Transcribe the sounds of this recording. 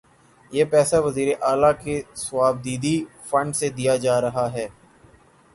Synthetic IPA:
jeːpɛːsaʋɐziːɾeʔaːlakeswaːb̚d̪iːd̪i | fɐ̃ɳɖsed̪ijad͡ʒaːɾɐɦaɦɛː

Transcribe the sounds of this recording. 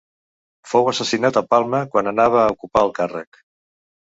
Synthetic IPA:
fowəsəsinat̪əpalˠməkwanənaβ̞əːukupaəlˠkarə̰k

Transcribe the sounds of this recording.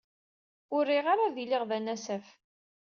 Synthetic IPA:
ʊɾːiʁaɾaðilɪʁðænæsæf

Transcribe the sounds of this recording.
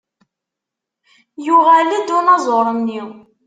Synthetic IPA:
jʊʁælæd̪ʊnɑzˤoɾˤənːi

